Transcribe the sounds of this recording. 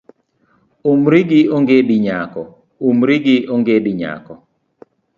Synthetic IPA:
umɾɪɡɪoŋɡediɲakɔ | umɾiɡɪoŋɡediɲa̰kɔ

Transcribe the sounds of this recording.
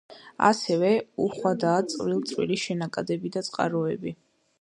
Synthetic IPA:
a̰sɛvɛuχwad̪aːt̪sʼɾilˠt̪sʼwiliʃɛnakʼad̪ɛbid̪at̪sʼqʼa̰ɾɔɛbi

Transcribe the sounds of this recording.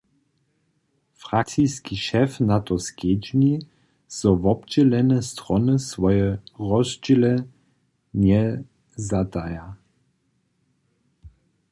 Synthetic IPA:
fʁakt͡siskiʃɛfnat̪ɔsked͡ʒɲi | sɔvɔbd͡ʑɛlɛnɛst̪ʁɔnəsʋɔjɛʁɔzd͡ʒilɛ | ɲɛ | zat̪aja

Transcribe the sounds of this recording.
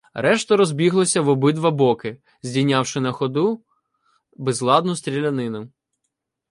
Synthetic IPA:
ɾɛʃt̪ɐɾɔzbʲiɦlˠɔsʲɐʋɔbɪd̪ʋɐbɔkɪ | zʲdʲijnʲɑwʃɪnɐxɔd̪u | bɛzlˠɑd̪nʊst̪ʲɾʲilʲɐnɪnʊ

